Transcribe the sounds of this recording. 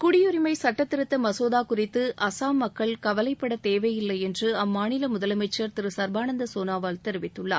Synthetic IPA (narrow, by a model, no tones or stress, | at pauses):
kʊɽɪjɔɾɪmɐɪsɐʈːɐt̪ːɪɾɯt̪ːɐmɐsoːðaːkʊrɪt̪ːɯʔɐsaːmːɐkːɐɭkɐʋɐlɐɪpːɐɽɐt̪eːʋɐɪjɪlːɐɪjɛndrɯɐmːaːnɪlɐmʊðɐlɐmɐɪt͡ʃːɐɾt̪ɪɾɯsɐɾbaːnɐnd̪ɐsoːnaːʋaːlt̪ɛɾɯʋɪt̪ːɯɭːa̰ː